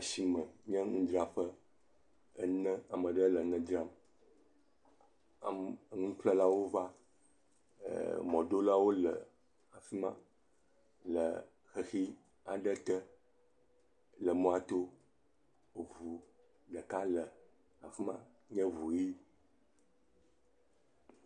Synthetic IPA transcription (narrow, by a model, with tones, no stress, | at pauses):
a˨si˦mə̃˨ɲɛ̃˦ŋũ˦d͡ʒɾa˨ɸə˦ | ə˦nɛ̃˦a˨mə̃˨ɖə˦lə˨˦nə̃˦d͡ʒɾa˦m | a̰˨m˦ŋũ˦k͡plə˦la˦wo˦va˦˨ | mɔ̃˨ɖo˦la˦wo˦lə̰˨ | a˨fi˦mã̰˦ | lə̰˨ | xə˨xi˦ | a˨ɖə˦t̪ə˦ | lə˨mɔ̃˨a˨t̪o˦˨ | vu˨ | ɖə˨ka˦lə˨ | a̰˨fi˦mã̰˦ | ɲɛ̃˦vu˨ji˦